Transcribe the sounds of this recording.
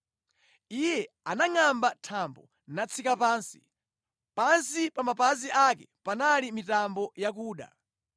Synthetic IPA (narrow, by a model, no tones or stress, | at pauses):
ijɛ | anaŋambatʰambɔ | nat͡sʰikapaːnsi̥̰ | pansipamapaziʔakɛpanalimitambɔjakuːɗa̰